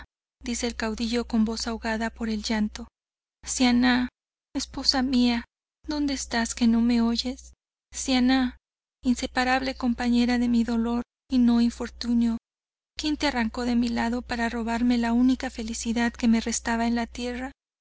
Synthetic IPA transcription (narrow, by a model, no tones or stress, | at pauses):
d̪ise̞ːlkawðiʝo̞ko̞mbo̞sawɣaðapo̞ɾe̞lʝant̪o̞ | sjana | espo̞samia | ðo̞nd̪eːst̪aske̞no̞me̞o̞ʝe̞sː | jana | inse̞paɾaβle̞ko̞mpaɲe̞ɾaðe̞miðo̞lo̞ɾ | ino̞iɱfo̞ɾt̪unjo̞ | kjent̪earaŋko̞ðe̞milaðo̞paɾaro̞β̞aɾme̞launikafe̞lisiðaðke̞me̞re̞st̪aβae̞nlat̪je̞ra